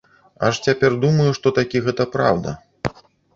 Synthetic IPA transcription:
a̰ʂt͡sʲapʲɛrd̪umɐjuʂt̪ɔt̪akʲiɣɛt̪ɐpɾa̰wd̪ɐ̰

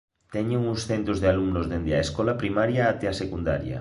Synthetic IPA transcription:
t̪ɛɲʊŋʊsθent̪ɾʊzðealuŋnʊzðend̪eɐ̰eskɔlɐpɾimaɾjaat̪ɛeasekund̪a̰ɾjɐ̰

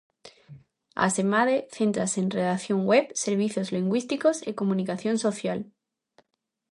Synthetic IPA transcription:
a̰semaðeθent̪ɾasenreðakθjõŋwepseɾβ̞iθjozliŋɡwist̪ikosekomũnikaθjõnso̞θjal

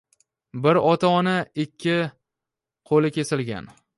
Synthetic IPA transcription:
bɪɾɒt̪ʰaɒnaɪkʲʰːɪ | qʰolɪkʲʰe̞sɪlɡʲa̰n

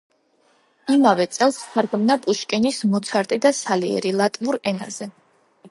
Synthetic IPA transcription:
imavɛt̪sʼɛlˠsχaɾɡmnapʼuʃkʼɛnismɔt̪sʰaɾt̪ʼid̪asaliɛ̰ɾilˠat̪ʼvuɾɛna̰zɛ

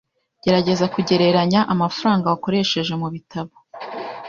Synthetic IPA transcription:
ɟ̥e̞ɾaɟe̞zakuɟe̞ɾe̞ɾaɲaʔamafuɾaːŋɡawako̞ɾe̞ʃe̞ʒe̞muβitaβo

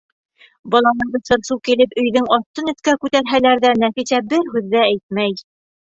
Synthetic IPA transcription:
bɒlˠɑnɤɴd̪ɤ̆sɤ̆ɾsukilɘpɵ̆jðɘŋɒt̪ːɤnɵ̆θkækʉt̪æɾɦælæɾðænæfiɕæbɘɾɦʉðːææjt̪̚mæj

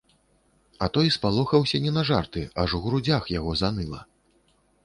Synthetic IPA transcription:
ɐt̪ɔjspalˠɔxɐwsʲɐnʲɛnɐʐart̪ɨaʐuɣɾud͡zʲaxjaɣɔzanɨlˠɐ̰

